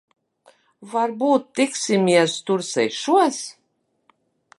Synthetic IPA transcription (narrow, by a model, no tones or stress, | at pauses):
vaɾbuːt̪ːiksimiɛst̪uɾsɛ̰jʃuɔs